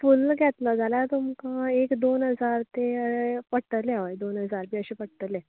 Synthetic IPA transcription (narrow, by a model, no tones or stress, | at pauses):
fulɡɛt̪lɔd͡zaljat̪umkãekd̪onɦəd͡zaɾt̪eəpəʈʈəlɛʋəjd̪onɦəd͡zaɾbʱiːəɕipəɽʈ̪əlɛ